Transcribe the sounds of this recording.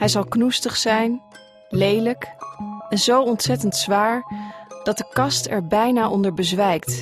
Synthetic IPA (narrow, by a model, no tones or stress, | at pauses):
ɦɛjzɑlˠknustəχsɛjn | lejləkɛnzowɔntsɛtəntsʋaːɹd̥ɑt̚dəkɑstɛ̰ɹbɛjnaːʔɔndəɹbəzʋɛjkt